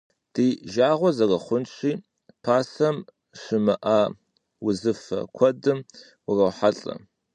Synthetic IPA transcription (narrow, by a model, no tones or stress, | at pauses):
d̥iːʒaːʁʷɔzɐrɐχʷʊnt͡ʃʰʼiː | pʰaːsɐm | ʂɨmɨʔa | wʊzɨfɐ̰kʷʰɔdɨm | ʊrɐwħaɬʼɐ̰